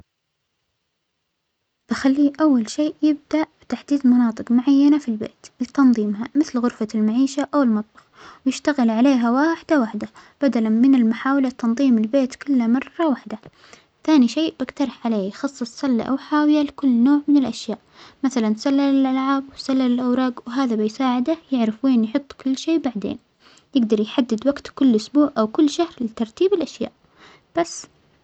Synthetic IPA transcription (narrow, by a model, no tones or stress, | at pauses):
t̪axalːiːʔawːalʃeːʔjɪb̚d̪aʔbɪt̪aħd̪iːd̪mɑnɑːt̪ˤɨqmʊʕajːanafilbḛːt̪lɪt̪ɑnðˤiːmhamɪθlɣʊɾfalmaʕiːʃaʔawɪlmɑt̪ˤbɑqwjɪʃt̪aɣɪlʕaleːɦawaːħɪd̪awaħd̪ab̥ad̪alanmɪnɪlmʊħaːwlat̪ːɑnðˤiːmɪlbeːt̪kʊlːamɑrˤːɑwaħd̪a | θaːniʃeːʔb̥aɡt̪ɑɾˤɑħʕaleːjxɑsˤːɨsˤsɑlːa̰ʔa̰wħaːwɪjalkʊlːnoːʕmɪnɪlʔaʃjaːʔmaθalansalːalɪlʔalʕaːbwsalːalɪlʔawɾɑːɡwɦaːðabɪjsaːʕɪd̪ajɪʕɾɪfweːnjħʊt̪ˤːkʊlːʃeːbaʕd̪ḛːn | jɪɡd̪ɑɾˤjħad̪ːɪd̪waɡt̪kʊlːʔʊsbuːʕʔawkʊlːʃahɾlɪt̪ɑɾˤt̪iːbɪlʔaʃja̰ːʔ | b̥asː